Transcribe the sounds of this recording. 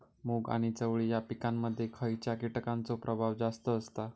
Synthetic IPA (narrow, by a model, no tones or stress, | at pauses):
muɡa̰ɽ̃it͡səʋɭijapikamːəd̪ʱːjekʰəjt͡ɕjakiʈkant͡sopɾʔəbʱaʋd͡zast̪əːst̪a